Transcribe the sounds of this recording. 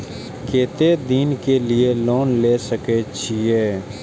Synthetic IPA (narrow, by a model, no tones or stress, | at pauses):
keːt̪ed̪iːnkelieloːnleːsəket͡ʃʰieː